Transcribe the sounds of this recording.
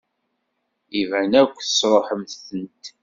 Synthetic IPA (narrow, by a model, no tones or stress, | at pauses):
ivænækʷːθə̥sɾˤoħəmθθənt̪